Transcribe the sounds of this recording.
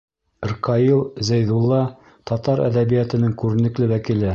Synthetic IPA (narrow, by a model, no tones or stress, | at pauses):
ɾqɑilˠzæjðulˠːɑ | t̪ɒt̪ɑɾæ̰ðæβijæt̪ɘ̆nɘŋkʉɾɘ̆nɘ̆klɘwækilɘ